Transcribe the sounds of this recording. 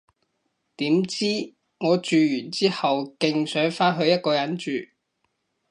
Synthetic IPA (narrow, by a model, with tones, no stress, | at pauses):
t̪iː˨˥mt͡siː˥ | ŋɔː˨˧t͡ʃyː˨˧jyː˨˩nt͡siː˥hɐ˨wkɪ˨ŋsœː˨˥ŋfaː˥nɦɵ˧ɥjɐ˥t̚kɔː˧jɐ˨˥nt͡ʃyː˨